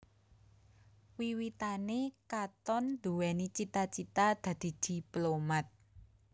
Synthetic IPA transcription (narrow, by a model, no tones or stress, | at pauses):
wiwit̪anekat̪ɔnd̪̥uwɛnit͡ʃit̪at͡ʃit̪ad̪̥ä̤d̪̥i̤d̪̥i̤plomat̪̚